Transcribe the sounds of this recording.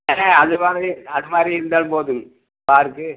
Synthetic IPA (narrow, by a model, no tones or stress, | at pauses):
eːnɐɐðɯmaːðɾiɐðɯmaːd̪ɾiɪɾɯnd̪aːnpoːðɯm | paːɾɯkːɯ